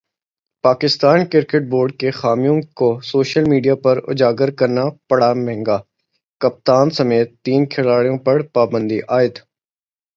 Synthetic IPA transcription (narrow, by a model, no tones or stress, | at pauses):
paːkɪst̪aːnkɪɾkeʈ̚boːɾɖ̚kexaːmijõkosoːʃəlmiːɖijapɐɾʊ̰d͡ʒaːɡəɾkɐɾnapɐɽamɛ̃ɦŋɡaː | kɐp̚t̪aːnsɐmeːt̪ːiːnkʰɪlaːɽijõpɐɽpaːbə̃nd̪iʔaːɪd̪